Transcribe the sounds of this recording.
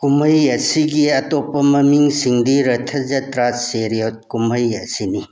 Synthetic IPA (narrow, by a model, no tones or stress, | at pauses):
kumɐjɐsiɡiɐtopːɐmɐmiŋsiŋdiɾɐtʰɐd͡ʒɐtɾaseɾiot̚kumɐjɐsini